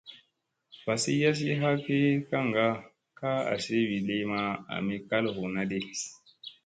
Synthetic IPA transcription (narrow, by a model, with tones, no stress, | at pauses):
fa˨si˦ja˦s̬i˦ɦa˦ke˦ka˦ŋ˨ɡa˦ | ka˦a̰˨se˦wi˨le˦jma˦a̰˨mi˦ka˦lho˨na˦de˦